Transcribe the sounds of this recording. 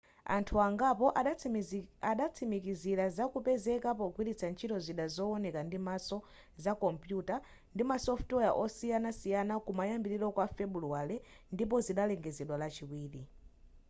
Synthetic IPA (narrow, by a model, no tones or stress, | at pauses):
a̰ntʰuaŋɡapɔʔ | aɗat͡sʰimikiziɾazakupɛzɛkap̬ɔkwiɾit͡sʰant͡ʃʰitɔziɗazɔɔnɛkandimasɔ | zakɔmpjuta | ndimasɔftwɔjaʔɔsijanasijanakumajambiɾiɾɔkwafɛbuluwalɛndip̬ɔziɗalɛŋɡɛzɛɗwalat͡ʃiwiːɾi